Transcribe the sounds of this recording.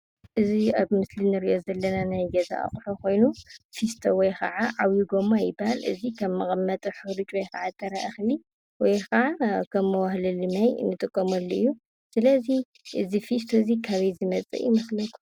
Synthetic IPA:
ʔɨziaβmɨslinɨɾiʔozɐlːɐnanajɡɐza̰ʔa̰χʼħokʰo̞jnufist̪ʰowɔjxʰɐ̰ʕaʕawjiɡomajɪbahalʔɨ̰zikʰɐmːɨxʼɐmːɐt̪ʼɨħɨɾɨt͡ʃʼwɔjkʰɐʕat̪ʰːɐɾa̰ʔɐxli | wɔjkɐʕakʰɐmːɨwahlɨlɨmajnɨt̪ʼɨkʼːomɐlːoɨ̰jːu | sɨlɐzi | ʔɨzifist̪ʰozikʰaβizɨmɐt͡sʼɨ̰jɪmɐxlɐt̪ʼu̥

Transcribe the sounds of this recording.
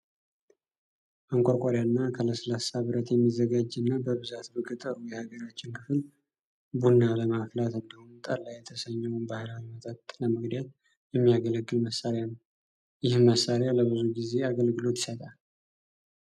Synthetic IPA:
ʔəŋkʷʼakʷʼaɾjanːakʰələsəlasaβɨɾət̪jɛmːizəɡad͡ʒːɨnːabəβɨzat̪bəkʼɨt̪ʼəɾujɛhaɡəɾat͡ʃːɪnkʰɨfɨl | bunːaləmaflat̪ɨnːawunt̪ʼalːajɛt̪ʰəsəɲːɛwnbahɨlawimət̪ʼat̪ləmɨɡd̪jat̪ | jɛmːijaɡələɡːɨlməsːaɾejanəw | jɪhmːəsːaɾjaləβɨzuɡize̞aɡəlɡɨlo̞t̪jɪ̥sət̪ʼal

